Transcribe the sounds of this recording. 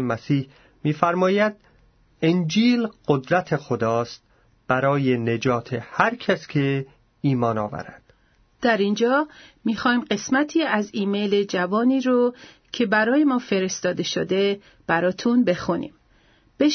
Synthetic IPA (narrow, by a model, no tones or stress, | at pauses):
mæsiːh | miːfæɾmɒːjæd̪̥̚ | end͡ʒiːlɢ̥od̪ɾæt̪ʰexod̪ɒːst̪̚ | b̥æɾɒːje̞ne̞d͡ʒɒːt̪ʰehæɾcʰæskʰe | iːmɒːnɒ̰ːvæ̰ɾæ̰d̪̥ | d̪̥æɾind͡ʒɒːmiːxɒːjmɢe̞smæt̪ʰiːæziːmejled͡ʒævɒːniːɾo | cʰe̞bæɾɒːje̞mɒːfe̞ɾe̞st̪ɒːd̪e̞ʃod̪e̞ | b̥æɾɒːt̪ʰunbe̞xunḭːm | b̥e